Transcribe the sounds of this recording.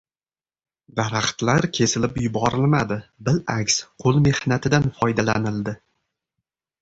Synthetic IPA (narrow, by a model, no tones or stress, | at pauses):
d̪aɾaχt̪laɾkʲʰe̞sɪlɪpjʊbɒɾɪlmad̪ɪbɪlʔakʲsqʰolˠme̞hnat̪ʰɪd̪anfɒjd̪ala̰nɪld̪ɪ